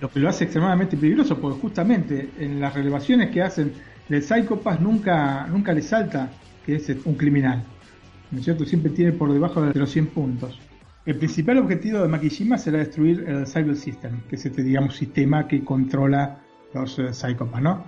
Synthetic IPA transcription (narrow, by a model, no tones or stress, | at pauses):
lo̞keloaseːkst̪ɾemaðament̪ep̬eliɣɾosopoɾkexust̪amẽ̞nt̪eːnlasreleβasjo̞neskeasen | d̪elsajkopasnũŋkanũŋkalesalt̪a | keesuŋkɾiminal | nosjeɾt̪osjempɾet̪jenepo̞ɾðeβ̞axoðd̪elosje̞mpunt̪o̞s | elpɾinsipaloβxe̞t̪iβo̞ðemak̬iʃimaseɾaðest̪ɾuiɾelsajβelsist̪emkeesest̪eðiɣamosist̪emakeko̞nt̪ɾo̞la | lo̞ssajkopasno̞